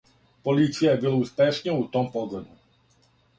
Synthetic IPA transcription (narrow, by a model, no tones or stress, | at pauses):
pɔliːt͡siabiluːspɛʃɲɛut̪ɔmpɔɡɔd̪u